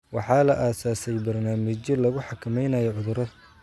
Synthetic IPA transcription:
wɑħɑːlɐʔaːsaːsɛjbɐrnaːmɪt͡ʃjɔlɐɣʊħɑkʰɐmɛjnɐjɔʕʊðʊɾɐð

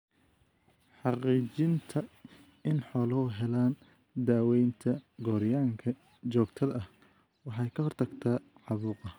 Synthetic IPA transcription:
ħɑqiːt͡ʃɪnt̪ʰɐ | ɪnħɔːlɐʊɦɛlaːn | d̪aːwɛjnt̪ʰɐɡɔːɾjaːŋkʰɐ | t͡ʃɔːɡt̪ʰɐðɐh | wɑħɑjkʰɐɦɔrt̪ʰɐɡt̪ʰaːʕɑβuːqɐ

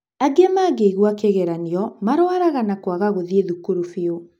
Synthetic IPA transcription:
aɡemaːɡeiɣwakeɣɛɾaneɔmaɾoaɾaɣanakwaɣaɣoðieðukoɾufeo

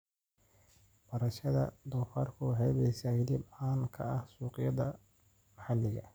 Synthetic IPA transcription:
b̥ɐɾɐʃɐðɐ̰d̪ɔːfaːrkʰʊhɛβɛjsahɪlɪbaːnkʰɐ̰ɐhsuːqɪjɐðɐ | mɐħɑlːɪɣɐ̰

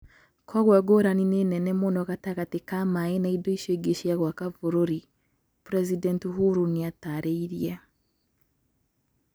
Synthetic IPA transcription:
kʰɔɣwaɡoɾaninenɛnɛmonɔɣataɣatekamaenaidoiʃeɡeʃiaɣwakavoɾoɾi | pɾɛzidɛntiɦuɾuniataɾeiɾia

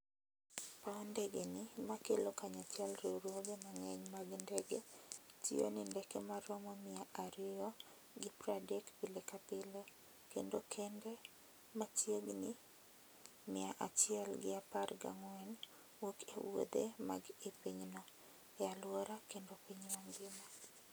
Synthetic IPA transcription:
paɔndɛɡenɪmakelokaɲat͡ʃɛlɾeɾwɔbemaŋɛɲmaɡndɛɡetʰḭo̰nindɛkemaɾɔmɔmɪaʔaɾɪɔ | ɡɪpɾadɛkpilekapɪlo | kendokʰende | mat͡ʃjeɡnɪ | mɪaʔat͡ʃɪɛlɡɪaparɡa̰ŋwɛn | wokḛwo̰d̪ḛma̰ɡepiɲnɔ | ɛalwɔɾakendopiɲmaŋɡɪma

